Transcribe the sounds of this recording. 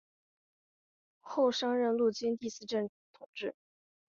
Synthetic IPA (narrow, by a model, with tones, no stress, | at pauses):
xo˥˩ʊʂɑ˥ŋɻə˥˧nlu˥˩t͡ɕi˥nt̪i˥˧sɹ̩˥˧ʈ͡ʂə˥˩n | t̪ʰʊ˨˩ŋʈ͡ʂɻ̩˥˩